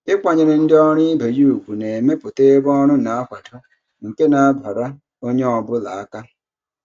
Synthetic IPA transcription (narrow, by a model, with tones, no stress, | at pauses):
ɪ˦kʷa˨ɲe˨ɾɪ˨n̩˦dɪ˦ɔ˦ɾi˦be˨ju˦u˨kʷu˨ne˨me˦pʊ˨te˦bɔ˦ɾʊ˦na˨a˦kʷa˨tɔ˦ | ŋ̩˨ke˦na˨a˦ba˨ɾa˦ | o˦ɲe˦ɔ˨bʊ˦la˨a˦ka˦